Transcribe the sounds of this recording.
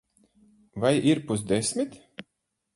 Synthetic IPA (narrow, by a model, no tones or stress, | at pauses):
vajiɾpusd̪esʲmʲit̪